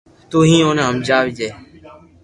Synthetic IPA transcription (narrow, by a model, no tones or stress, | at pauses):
t̪uːɦĩːõːnãːɦəmd͡ʒaːʋid͡ʒeː